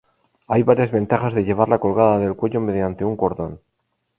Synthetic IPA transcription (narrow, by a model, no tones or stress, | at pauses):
ajβaɾjazβe̞nt̪aχazðeʎe̞β̞aɾlako̞lɣaðaðe̞lkwe̞ʎo̞me̞ðjant̪euŋko̞ɾðo̞̰n